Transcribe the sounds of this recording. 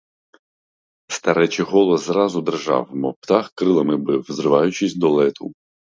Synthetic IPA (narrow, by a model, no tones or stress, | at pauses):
st̪ɐɾɛt͡ʃɪɦɔlˠɔzzɾɑzʊd̪erʒɑ̰wmɔpt̪ɑxkɾɪlˠɐmɪbɪwzɾɪʋɑjʊt͡ʃɪsʲd̪ɔlˠɛt̪u